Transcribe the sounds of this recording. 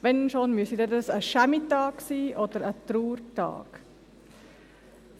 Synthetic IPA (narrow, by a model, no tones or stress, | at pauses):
ʋɛnʃonmysidədəsəʃæmitɑːksiːʔɔdəɾətɾuːrtɑ̰ːk